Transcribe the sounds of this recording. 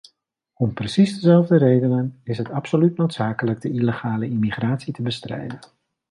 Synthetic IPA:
ɔmprəsizdəzɛlˠvdəɾejdənənɪsɦətɑpsolytnowtsaːkələɡ̚dəiləχaːləimiχraːtsitəbəstrɛ̰jdən

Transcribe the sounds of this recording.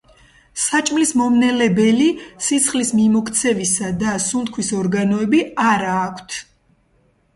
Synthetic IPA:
sat͡ʃʼmlismɔmnɛlɛbɛlisit̪sʰχlismimɔkʰt̪sʰɛvisad̪asunt̪̚kʰwisɔɾɡanɔɛbiaɾaːkʷʰt̪ʰ

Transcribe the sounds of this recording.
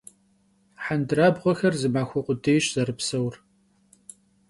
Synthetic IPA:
ħandɨraːbʁʷɔxɐrzɨmaːxʷɔqʷʼʊdejɕzɐɾɨpsɐwr

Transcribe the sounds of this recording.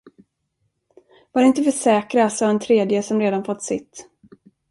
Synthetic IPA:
vaɾɪnt̪əfœʂɛːkɾasɔɛnt̪ʰɾeːd̪jəsɔmɾeːd̪anfɔt̪ːsɪ̰t̪ː

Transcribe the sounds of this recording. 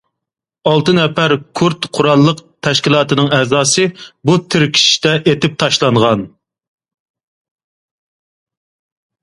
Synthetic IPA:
ɑlˠt̪ɨnɛfæɾkʰuɾt̪qʰʊɾɑlˠːəqt̪ʰæʃkʲilˠɑːt̪ɨnɨŋɛzɑːsɨbut̪ʰɪɾkʲʰi̥ʃt̪ɛʔet̪ɪp̚t̪ʰɑʃlˠɑɴʁɑn

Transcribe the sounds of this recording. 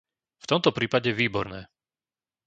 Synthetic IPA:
ft̪ɔmt̪ɔpɾiːpaɟɛʋiːbɔɾnɛː

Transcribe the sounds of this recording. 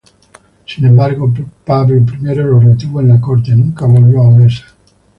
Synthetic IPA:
sinembarɡopaveilp̬ɾimɛɾeɾoreat̪iːvoenlakort̪enuŋkavolːɔavesḁ

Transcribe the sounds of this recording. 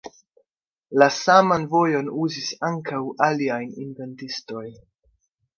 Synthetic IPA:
lasamanvo̞jo̞nuzisaŋkawʔaliajninve̞ntisto̞j

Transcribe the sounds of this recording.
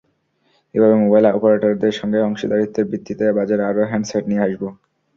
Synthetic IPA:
ebʱabemobajlaɔpoɾaʈoɾd̪eɾʃɔŋɡeɔŋʃid̪aɾit̪ʰːeɾbɾid̪ːit̪ebad͡ʑeɾaɾoɦɛnseʈnijeaʃbo

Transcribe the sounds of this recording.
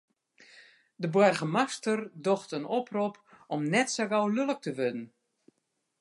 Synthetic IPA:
dəbwɛrɣəmastərdoxtənoprupɔmnɛtsaɡawlølək̚təʋødən̩

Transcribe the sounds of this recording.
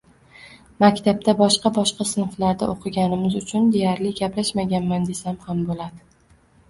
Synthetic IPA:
makʲt̪ʰab̚t̪ʰabɒʃqɑbɒʃqɑsɪnflaɾd̪aʔoqʰɨɡʲanɪmɪzʊt͡ʃʰʊnd̪e̞jaɾlɪɡʲaplaʃmaɡʲanmand̪e̞samhambolad̪ɪ

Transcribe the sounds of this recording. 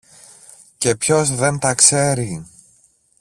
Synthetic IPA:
ce̞pço̞zðe̞nt̪ɐkse̞ɾi

